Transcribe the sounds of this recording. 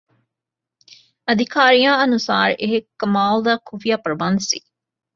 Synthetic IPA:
ɐd̪ʱikʰaːɾijãːɐnusa̰ːɾeɦekːɐmaːld̪akʰuʋijapɾɐbansḭ

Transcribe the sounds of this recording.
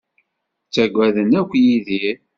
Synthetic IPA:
t͡sːæɡʷːæðənækʷːjiði

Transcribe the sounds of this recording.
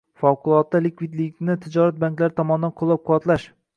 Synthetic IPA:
fɒwqʊlˠɒt̪ːalɪkʲvid̪lɪkʲnɪt̪ʰɪd͡ʒɒɾat̪̚baŋʲkʲlaɾɪt̪ʰɒmɒnɪd̪anqʰʊlˠːɑp̚qʰʊwɒt̪laʃ

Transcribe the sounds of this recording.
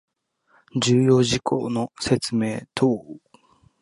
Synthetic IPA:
d͡ʑɨːjo̞ːʑikʰo̰ːno̞se̞t͡sɨme̞ːt̪ʰoː

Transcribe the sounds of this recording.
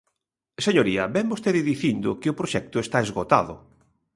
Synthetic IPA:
seɲoɾiɐbɛmbost̪eðɪðiθind̪ʊkɪʊpɾoʃɛk̚t̪ʊest̪aezɣot̪a̰ðʊ̰

